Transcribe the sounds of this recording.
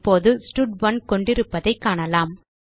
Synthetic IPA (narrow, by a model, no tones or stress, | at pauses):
pːoːðɯsʈuɖʋɐnkɔɳɖɪɾɯpːɐðɐɪkːaːɳɐlaːm